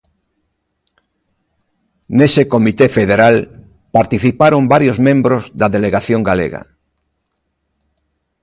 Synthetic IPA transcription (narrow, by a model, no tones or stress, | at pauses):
nesekomit̪efeðeɾal | paɾt̪iθipaɾombaɾjozmẽmbɾozðaðeleɣaθjoŋɡalḛɣa̰